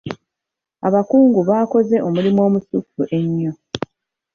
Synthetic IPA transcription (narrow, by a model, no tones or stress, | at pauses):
a̰βakuːŋɡuβaːko̞ze̞ʔo̞mulimo̞ːmusufːuʔe̞ɲːo̞